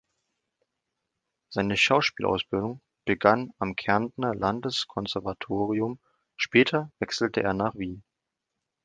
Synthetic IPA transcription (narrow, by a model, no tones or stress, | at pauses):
z̥aɪnəʃaʊʃpiːlʔa̰ʊsb̥ɪldʊŋ | b̥əɡanamkʰɛɐndnɐlandəskʰɔnzɛɐvatʰoːʁiʊm | ʃpɛːtʰɐvɛksl̩təʔḛːɐnaːχv̥iːn